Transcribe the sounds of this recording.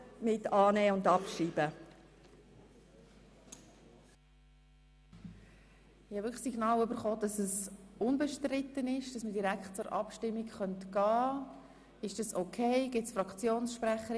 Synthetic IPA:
mɪtɑːnɛːʊndɑpʃiːbə | ɪhɑʋɪkə̥siɡnɑːwʏbəɾχoːd̥ɑsəsʊnbɛʃtrɪtənɪʃd̥ɑsmədiɾækχtt͡sʊɾʔɑ̰pʃtɪmːikχœntɡ̥ɑː | ɪʃd̥ɑsokʰeɪɡ̥ɪt͡sfrɑkt͡sjoːnsʃpræχəɾ

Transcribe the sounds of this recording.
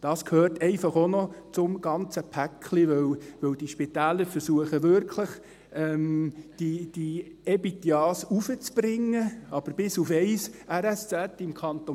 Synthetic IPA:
d̥ɑːskʰøːrtɛɪfɑχonɔt͡sʊmɡ̥ɑnt͡səpʰækʰliʋœwʋɵwd̥iʃpitæːləɾfəɾsuəχəʋʏɾkʰləχ | ɛmd̥id̥i | ɛbit̪jɑːsufət͡sb̥ɾɪŋːəɑb̥əɾb̥ɪsufɛɪsɛɾɛst͡sɛtɪmkʰɑnt̪o

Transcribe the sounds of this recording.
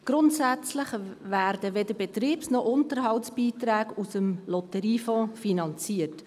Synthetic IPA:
ɡ̥ɾʊntsæt͡slɪχʋæːɾd̥əʋɛd̪əɾbɛt̪ɾiːpsnɔʔʊntəɾɦɑwtsb̥iːt̪ɾæːɡusəmlɔtəɾiːfɔ̃ːfinɑnt͡siət

